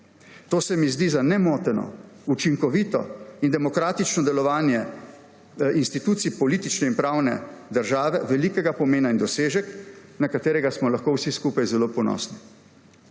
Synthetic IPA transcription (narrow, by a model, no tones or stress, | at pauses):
t̪oːsɛmizd̪izanɛmoːt̪ɛnɔ̰ | ut͡ʃiŋkɔʋiːt̪ɔ̰ind̪ɛmɔkɾaːt̪it͡ʃnɔd̪ɛlɔʋaːnjɛ | inst̪it̪uːt̪sipɔliːt̪it͡ʃnɛinpɾaːwnɛ̰d̪əɾʒaːʋɛʋɛlikɛɡapɔmeːnaind̪ɔseːʒɛknakat̪eːɾɛɡasmɔlaxkowsiskuːpajzɛlopɔnɔ̰ːsni